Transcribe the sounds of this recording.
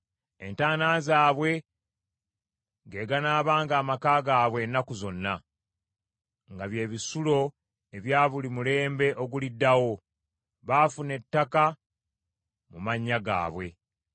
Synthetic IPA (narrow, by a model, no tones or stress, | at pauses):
e̞̰ntaːnaːzaːβwe̞ | ɡe̞ːɡanaːβaːŋɡaːmakaːɡaːβwe̞nːakuzo̞nːa | ŋɡaβje̞ːβisulo̞ | e̞βjaːβulimule̞ːmbe̞ʔo̞ɡulidːawo̞ | βaːfune̞tːaka | mumaɲːaɡa̰ːβwe̞̰